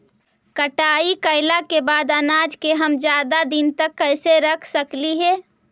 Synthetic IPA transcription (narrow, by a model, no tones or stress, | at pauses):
kəʈaːikəɪlakebaːd̪ənaːd͡ʒkeɦəmd͡ʒjaːd̪ad̪int̪əkːəɪseɾəkʰsəkliɦɛː